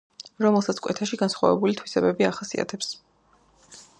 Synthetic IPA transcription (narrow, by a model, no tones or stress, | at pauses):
ɾɔmɛlˠsat̪sʰkʼʔɛ̰t̪ʰaʃiɡansχwa̰vɛ̰bulit̪ʰwisɛbɛbiaχasia̰t̪ʰɛps